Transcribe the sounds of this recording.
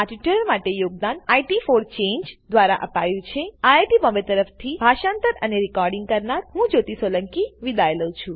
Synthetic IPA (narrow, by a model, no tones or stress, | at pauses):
aʈiʈəəɾmaʈejoɡ̚d̪anajʈifoɾt͡ʃeɲd͡ʒd̪ʋaɾa̰ʔə̰pajũt͡ʃʰeajʈibɔ̃mbet̪əɾəft̪ʰibʱaʃant̪əɾəneɾikɔɾɖĩŋɡ̚kəɾnaɾɦũd͡ʒot̪isoləŋkiʋid̪ajləwt͡ʃʰũ